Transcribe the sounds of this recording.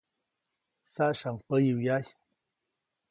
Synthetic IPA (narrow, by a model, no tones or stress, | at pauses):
saʔʃaŋpəjiwjaç